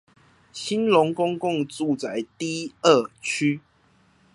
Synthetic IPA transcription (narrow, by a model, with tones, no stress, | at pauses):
ɕi˦nlʊ˧˦ŋkʊ˦˥ŋkʊ˥˨ŋt͡su˥˨t͡sa˨˧˨ɪt̪i˥˨ə˥˨t͡ɕʰy˦